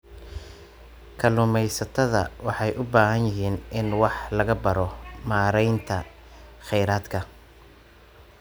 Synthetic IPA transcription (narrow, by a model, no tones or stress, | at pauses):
kʰɐlʊmɛjsɐt̪ʰɐðɐ̰wɑħɑjʔʊbaːɦɐnjɪɦiːnɪnwɑħlɐɣɐbɐɾɔmaːɾɛjnt̪ʰɐ | χɛjɾaːd̪kʰɐ